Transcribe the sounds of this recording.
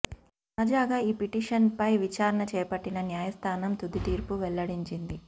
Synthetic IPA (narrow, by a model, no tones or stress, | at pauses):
nɐd͡ʒaːɡaːiːpiʈiːʂɐnpɐjʋit͡ʃaːɾɐɳɐt͡ʃɛːpɐʈːinɐnjaːjɐst̪ʰaːnɐmt̪ud̪it̪iːɾpuʋɛlːɐɽiɲt͡ʃind̪i